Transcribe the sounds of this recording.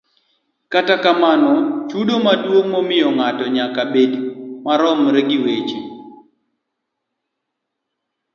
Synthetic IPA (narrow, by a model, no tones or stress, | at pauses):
katakamanɔt͡ʃudomadwoŋmomɪjɔŋatɔɲakabedimaɾɔmɾɛɡɪwet͡ʃi